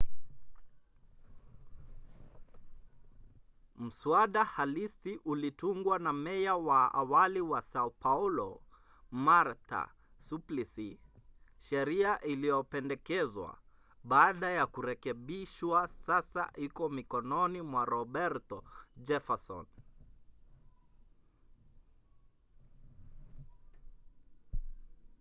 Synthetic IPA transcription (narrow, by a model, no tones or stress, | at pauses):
m̩swaɗahalisiʔulituŋɡwanamɛjawaa̰waliwasaupaulɔ | maɾta̰ | suplisi | ʃɛɾiaʔilijɔpɛndɛkɛzwa̰ | ɓaːɗajakuɾɛkɛɓiʃwasasa̰hikɔmikɔnɔnimwaɾɔɓɛɾtɔd͡ʒɛfasɔ̰n